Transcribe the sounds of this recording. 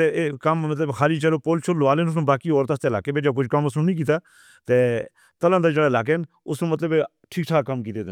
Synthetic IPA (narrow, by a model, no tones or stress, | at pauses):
t̪eːkəmːət̪ləbkʰaːliːt͡ʃəloːpoːlt͡ʃʰolʋaːleːnʊs̬nũːbaːkiːoːɾt̪ast̪eːlaːkeːbeːd͡ʒaːk̬ʊd͡ʒʰkəmʊsnũːnĩːk̬iːt̪aː | t̪eː | t̪əlãːd̪aːd͡ʒeːɽaːlaːk̬en | ʊsnũːmət̪ləb | ʈʰiːkʈʰaːkəmkiːt̪eːd̪